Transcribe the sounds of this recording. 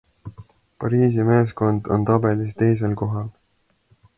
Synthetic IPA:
pɑɾiːsime̞ːsko̞nd̪o̞̰nt̪ɑb̥e̞list̪e̞js̬e̞lko̞ɦɑl

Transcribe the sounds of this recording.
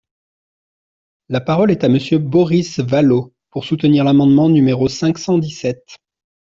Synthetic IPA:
lapaʁɔlɛt̪aməsjøbɔʁisvalo | puʁsut̪əniʁlamɑ̃d̪mɑ̃nymeʁosɛ̃ksɑ̃d̪isɛt̪

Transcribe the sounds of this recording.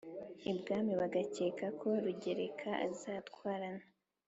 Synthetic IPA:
ibɡaːmiβaɡaceːkakʰo̞ɾuɟe̞ɾekʰaʔa̰zaːtkwaːɾana

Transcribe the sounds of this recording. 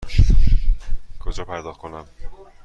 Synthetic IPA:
kʰod͡ʒɒːpʰæɾd̪ɒːχt̪̚konæm

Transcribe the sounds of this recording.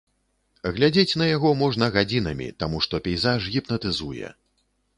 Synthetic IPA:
ɣlʲad͡zʲet͡sʲn̪ɐjaɣɔmɔʐnɐɣad͡zʲinɐmʲḭt̪amuʂt̪ɔpʲɛjzaʐɣʲipnɐt̪ɨzujɛ̰

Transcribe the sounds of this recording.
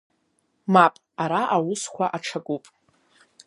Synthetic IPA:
mapʼ | aɾaʔawʊskʷaʔaʈ͡ʂʰakʷʼupʼ

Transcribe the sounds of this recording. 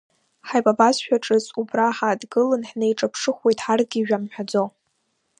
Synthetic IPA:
ħajbʼabasʃᶣaʈ͡ʂʼɨzubraħadɡɨlɨnħnejʈ͡ʂʼapʰʂɨχʷwejtʼħarɡʲiːʒᶣamħᶣad͡zo

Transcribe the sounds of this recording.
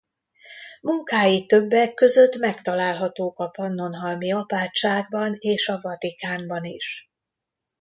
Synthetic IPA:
muŋkaːjit̪ːø̞bːɛkːø̞zø̞t̪mɛkt̪ɒlaːlɦɒt̪oːkɒpɒnːo̞nɦɒlmiɒpaːt͡ʃːaːɡ̚bɒneːʃɒvɒt̪ikaːmbɒniʃ

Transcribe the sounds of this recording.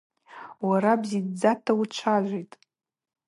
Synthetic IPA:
waɾabzidd͡zatʰawut͡ʃʷʰaʒʷejtʼ

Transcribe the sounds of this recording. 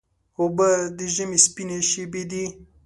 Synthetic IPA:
obəd̪əʒəmespineʃebed̪i

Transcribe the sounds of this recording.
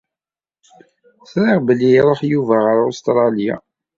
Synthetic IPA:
θɾəʁbəlːiɾˤoħjuvæʁəɾost̪ɾˤɑlja̰

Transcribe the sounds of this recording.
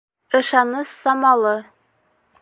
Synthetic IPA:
ɤ̆ʃɑnɤsːɑmɑlˠɤ

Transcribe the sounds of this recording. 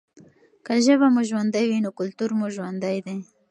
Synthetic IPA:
kaʒəβamuʒwand̪ajwinokʊlt̪uɾmoʒwand̪ajd̪e

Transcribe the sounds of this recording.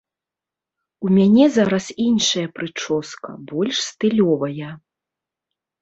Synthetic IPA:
umʲanʲɛzaɾɐsinʂɐjɐpɾɨt͡ʂɔskɐ̰bɔlʲʂst̪ɨlʲɔvɐjɐ

